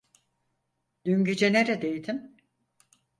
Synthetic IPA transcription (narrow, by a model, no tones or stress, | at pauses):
d̪̥yɲɟed͡ʒeneɾed̪ejd̪ʰim